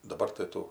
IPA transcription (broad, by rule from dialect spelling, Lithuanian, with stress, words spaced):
dɐˈbɐr tɐɪ ˈtuː